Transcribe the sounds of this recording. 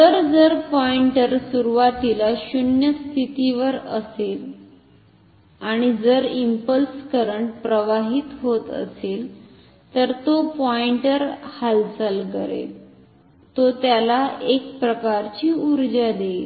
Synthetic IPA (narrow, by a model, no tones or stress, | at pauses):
t̪əɾd͡zəɾpɔiɳʈəɾsuɾuʋat̪ilaɕunjəst̪ʰit̪iʋəɾəsel | aɽ̃id͡zəɾimpəlskəɾəɳʈ̚pɾəʋaɦiːt̪ɦot̪ə̰sel | t̪əɾt̪opɔiɳʈəɾhalsəlkəɾḛl | t̪ot̪jalaʔek̚pɾəkaɾt͡ɕiːuɾd͡ʑad̪el